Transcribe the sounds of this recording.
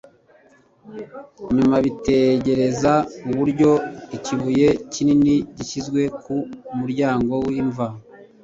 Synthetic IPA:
ɲumaβite̞ɟe̞ɾe̞zauβuɾɟo̞iciβuje̞cininiɟiʃizɡwe̞kumuɾɟaːŋɡo̞wiɱva

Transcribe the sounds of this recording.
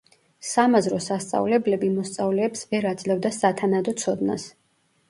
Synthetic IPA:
samazɾɔsast̪sʼa̰vlɛblɛbimɔst̪sʼavlɛːpsvɛɾad̪zlɛvd̪asat̪ʰanad̪ɔt̪sʰɔd̪na̰s

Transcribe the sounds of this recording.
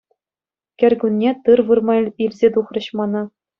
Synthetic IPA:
kʲɘ̆rʲɡunʲːet̪ɯrʋɯrmɑilʲzʲet̪uχrɤ̆ɕmɑnɑ

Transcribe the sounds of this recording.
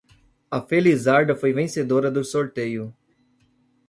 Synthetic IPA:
ɐfelizaɾd̪ɐfojvẽsed̪oɾɐd̪ʊsoɾt̪ejʊ

